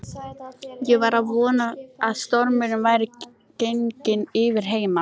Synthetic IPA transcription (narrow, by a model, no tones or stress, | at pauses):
jɛɣvaɾaðvɔːnaaðst̪ɔɾmɪɾɪnvaːjɾɪ | ceŋcɪnɪːvɪɾ̥ɦeːjma